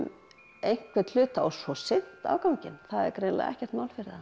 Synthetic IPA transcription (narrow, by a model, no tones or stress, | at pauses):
m | ejŋ̥kvɛt̪lʏːt̪aa̰wsɔsɪn̥t̪a̰ːwkawɲcɪnθaðɛ̰ɾkɾejnla̰ðɛ̰hcɛrt̪mawlfɪɾða